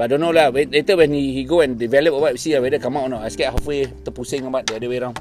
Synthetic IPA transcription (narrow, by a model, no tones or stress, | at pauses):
badɔnolawelet̪əwɛ̃nhihiɡoɛ̃ndivɛləp̚əbat̚isiawedəkamãʔɔnɔʔaskɛʔ̚ɦafet̪əpusəŋabat̪̚deadəweɾãw